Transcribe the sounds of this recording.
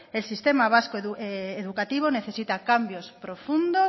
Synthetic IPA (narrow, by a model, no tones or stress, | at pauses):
elsist̪emaβ̞askoeðukat̪iβ̞oneθesit̪akambjospɾofund̪o